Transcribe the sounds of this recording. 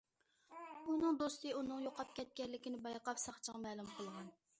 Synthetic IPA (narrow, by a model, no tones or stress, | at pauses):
unɨŋd̪ost̪ɨunɨŋjoqʰɑp̚kʲɛt̪̚kʲɛlːɪkʲinɪbɑjqɑpsɑχt͡ʃʰəʁɑmɛːlˠumqʰəlˠʁɑn